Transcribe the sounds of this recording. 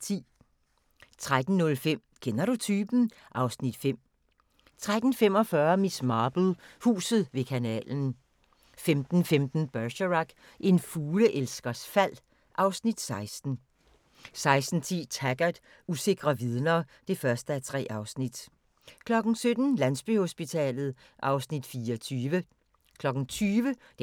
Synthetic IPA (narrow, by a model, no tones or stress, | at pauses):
t͡sʰḭː | t͡sʰʁad̥n̩ːɔ̽lfem̰kʰenɐɾut͡sʰyːb̥n̩ | ʔɑ̈ʊsnid̥fem̰ | t͡sʰʁad̥n̩fem̰ɒ̽fɶːɐmismɑːb̥l̩ˠhṵːsð̞̩ˠʋe̝kʰænɛ̰ːln̩ | femd̥n̩femd̥n̩b̥ɶɐɕəʁɑɡ̥ | e̝nfuːləʔelsɡ̥ɐsfæl̰ | ʔɑ̈ʊsnid̥sɑ̈ɪsd̥n̩ | sɑ̈ɪsd̥n̩t͡sʰḭːt͡sʰæɡ̥ɐd̥ | use̝ɡ̥ʁɐʋið̞ˠnɐːd̥e̝fɶɐsd̥əæt͡sʰʁɛ̰ːʔɑ̈ʊsnid̥ | kʰlɒ̽ɡ̥n̩sød̥n̩lænsb̥yho̝sb̥it͡sʰɛ̰ːlð̞̩ˠ | ʔɑ̈ʊsnid̥fiːɒt͡sʰyːʋə | kʰlɒ̽ɡ̥n̩t͡sʰyːʋə